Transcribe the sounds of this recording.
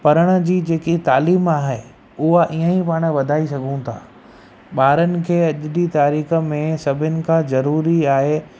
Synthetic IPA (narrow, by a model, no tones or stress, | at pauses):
pɐɾəɽ̃ə̆d͡ʑiːd͡ʑeːkit̪aːliːmaːɦe | ʊɦaʔiːə̃ipaːɽ̃ʋɐd̪ʱaːisɐɡʱũt̪ʰa̰ː | ɓaːɾənɪ̆kʰeːɐʄɗit̪aːɾiːxə̆mẽsɐbʱɪnɪ̆kʰãzɐɾuːɾiaːɦe